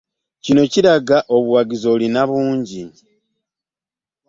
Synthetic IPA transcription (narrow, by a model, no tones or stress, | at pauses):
cino̞ciɾaɡaʔo̞βuwaɡizo̞linaβuːɲɟi